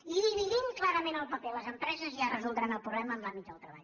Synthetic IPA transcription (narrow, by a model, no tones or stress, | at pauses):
iβiɣiŋklaɾəmenəlˠpəpɛləzəmpɾɛzəziərəzulˠd̪ɾanəlˠpɾuβlɛməːmlambit̪əlˠt̪ɾəβa̰ʎ